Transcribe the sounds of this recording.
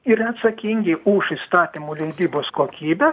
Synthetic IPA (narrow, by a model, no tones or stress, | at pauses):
ɪɾɐt̪sɐkʲiŋʲɡʲɪʊʃist̪ɑːt̪ʲimuːlʲɛɪd̪ʲiːboːskoːkʲiːbʲɛ